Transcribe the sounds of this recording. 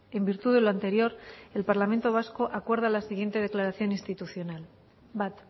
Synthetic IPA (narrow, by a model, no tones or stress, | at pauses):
e̞mbiɾt̪uðe̞loant̪e̞ɾjo̞ɾe̞lpaɾlament̪o̞β̞asko̞ʔakwe̞ɾð̞alasiɣ̞je̞nt̪e̞ð̞e̞klaɾaθjo̞nĩnst̪it̪uθjo̞nal | bat̪